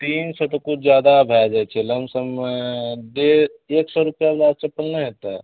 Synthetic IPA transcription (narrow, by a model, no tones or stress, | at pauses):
t̪iːnsɔt̪ɔkʊt͡ʃʰd͡ʒjaːd̪abʱaːd͡ʒɛt͡ʃʰeləmsəm | d̪eeːksɔɾʊpjablaːd̪t͡ʃepəlnaɦet̪aɛ̰